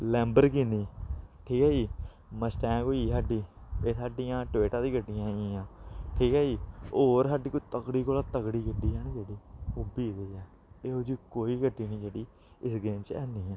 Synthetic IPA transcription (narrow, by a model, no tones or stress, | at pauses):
lɛ̃ːmbəɾkiːniːʈʰiːkɛːd͡ʒiː | məsʈɛ̃ːkoːiːsaːɖiːeːsaːɖɪjãːʈʋeːʈaːd̪iːɡəɖːɪjãːĩːãːʈʰiːkɛːd͡ʒiːoːɾsaːɖiːkoːt̪əkɽiːkoːlaːt̪əkɽiːɡəɖːiːɦɛːnd͡ʒeːɽiːoːbiːd̪eːɛː | eːod͡ʒiːkoːiːɡəʈːiːnĩːd͡ʒeːɽiː | ɪsɡeːmt͡ʃɛːniːɛ̃ː